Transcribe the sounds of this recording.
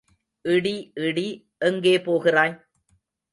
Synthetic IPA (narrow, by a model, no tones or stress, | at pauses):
ʔɪɽiʔɪɽi | ʔɛŋɡeːpoːɣɪraːj